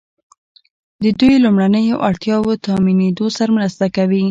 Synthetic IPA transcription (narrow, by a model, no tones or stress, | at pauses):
d̪əd̪ujlumɽanəjoʔaɽt̪jɑwot̪ɑmined̪osaɾamɾast̪akawi